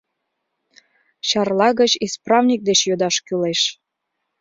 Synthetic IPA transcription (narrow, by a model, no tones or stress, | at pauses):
ɕɑrlɑɣət͡ɕisprɑvnʲik̚d̪et͡ɕjod̪ɑʃkyleʃ